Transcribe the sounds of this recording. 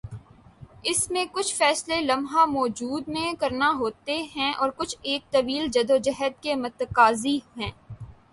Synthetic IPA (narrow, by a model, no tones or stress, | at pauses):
ɪsmẽkʊt͡ʃʰfɛːslelɐmɦamɔːd͡ʒuːd̪mẽkɐɾnaɦoːt̪eɦɛ̃ʔɔːɾkʊt͡ʃʰeːk̚t̪ɐbiːld͡ʒɐd̪od͡ʒɐɦəd̪̚kemɐt̪əkaːziɦɛ̃ː